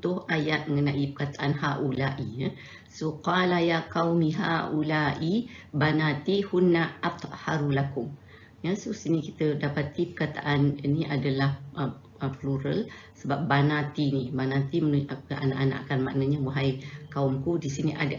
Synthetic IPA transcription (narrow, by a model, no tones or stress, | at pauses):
t̪ʊhajat̪̚məŋənaʔipəkat̪aʔanhaʔulaʔia | soqalajakawmiɦa̰ʔulaʔibanat̪ihunːaʔaf̚t̪ʔhaɾulakʊŋ | jasosinikit̪ədapat̪ipərkat̪a̰ʔaniniʔadalahə | əpluɾəlsəbap̚banat̪inibanãt̪imənua̰na̰ʔana̰ʔkanma̰ʔnəɲawaɦajkaʊmkudisiniʔa̰da